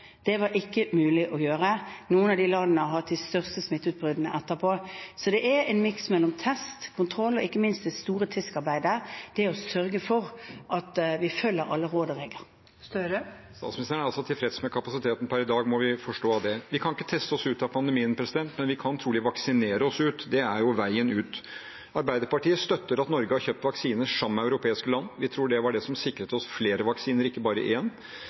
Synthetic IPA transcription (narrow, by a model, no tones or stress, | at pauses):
d̪̥ɛʋɑɾʔɪkːəmʉːlɪʔɔjøːʁənuːənɑd̪ɪlɑd̪ənəɦɑt̪ɪst̪œʁst̪əsmɪt̪ːʉːt̪̚bʁʏd̪nəʔɛt̪ːəʁpʰoːsɔd̪ɛʔæɛnmɪksmɛlːɔmt̪ʰɛst̪kʰʊnt̪ʰʁɾɔlːɔɪkːəmɪnst̪̚d̪ɛst̪uːɾət̪ʰɪskɑʁbæɪd̪əd̪̥ɛɔsœɾɡəfɔʁʔɑt̪ʋɪfœlːəɾɑlːəʁoːd̪ɔʁɛɡəɾ | ɾ | st̪ɑːt̪smɪnɪst̪ʰɾəɳəɑlsɔt̪ʰɪlfɾɛt̪smɛkʰɑpɑsɪt̪ʰeːt̪n̩pʰæɾɪd̪ɑːɡmɔʋɪfɔʂʈoːɑʋd̪ɛʋɪkʰɑnɪkːə̥t̪ʰɛst̪əɔsʉːt̪ɑpʰɑnd̪əmiːənpʰɾɛsɪd̪ɛnt̪mɛnʋɪkʰɑnt̪ʰɾuːlɪʋɑksɪneːɾəɔsʉːt̪d̪ɛæɾjʊʋæɪənʉːt̪ | ɑɾbæɪd̪əɾpɑʈiːəst̪œt̪ːəɾɑt̪nɔɾɡəhɑɾçøːp̚t̪ʋɑksiːnəʂɑmːəæʉɾʊpʰeːɪskəlɑnːʋɪt̪ʰɾuːɖɛʋɑɖɛsɔmsɪkːɾət̪əɔsfleːɾəʋɑksiːnəɾɪkːəbɑːɾə̰ʔɪɛnː